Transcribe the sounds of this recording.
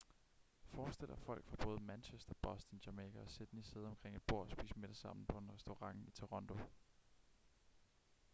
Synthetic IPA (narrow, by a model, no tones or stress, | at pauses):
fɒ̥ːsd̥e̝lʔɐfɒ̽l̰ɡ̥fʁɑ̈b̥ɔ̽ːð̞̩ˠmænɕesd̥ɐb̥ɒsd̥ɒnɕæmeɡ̥æɒ̽sed̥niseðˠɒ̽mkʰʁeŋ̰e̝d̥̚b̥o̝ɐ̰sb̥ḭːsəmed̥əsɑ̈m̰n̩pʰɒ̽enʁɛsd̥o̝ʁɑ̈ŋ̰it͡sʰo̝ʁɔnd̥o̝